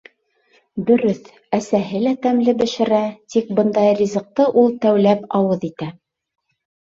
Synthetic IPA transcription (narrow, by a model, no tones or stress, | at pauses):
d̪ɵ̆ɾɵθ | æsæɦɘlæt̪æmlɘbɘ̆ʃɘ̆ɾæt̪ik̚bɤnd̪ɑjrʲizɤ̆q̚t̪ɤʔulˠt̪æwlæpɑwɤðit̪æ